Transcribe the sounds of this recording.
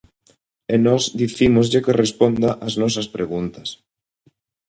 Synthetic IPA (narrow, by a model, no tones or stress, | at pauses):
enɔzðiθimozʎɪkerespond̪aʔɐznɔs̬ɐspɾeɣunt̪ɐs